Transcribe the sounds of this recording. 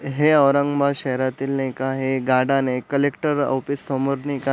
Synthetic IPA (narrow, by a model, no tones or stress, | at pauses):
ɦeəʋɾəŋɡbaɕɛɦɾat̪iːlnekaɦeɡaɽanekəlekʈəɾɔ̰pisːɔməɾneka